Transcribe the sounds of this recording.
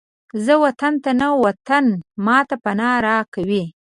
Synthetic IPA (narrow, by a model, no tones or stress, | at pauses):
zəwat̪ant̪anawat̪anmɑt̪apanɑɾɑkawi